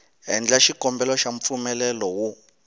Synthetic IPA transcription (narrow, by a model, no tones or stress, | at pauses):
ɦɛnd͡ɮaʃikɔmbɛlɔʃaɱfumɛlɛlɔwu